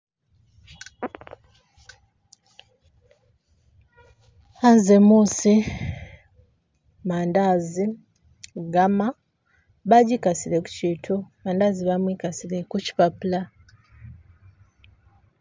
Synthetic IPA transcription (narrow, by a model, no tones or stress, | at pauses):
anzemuːsi | maːndaːzi | ɡama | βaɟikasileku̥ciːtʰumaːndaziβamwikasilekuci̥papula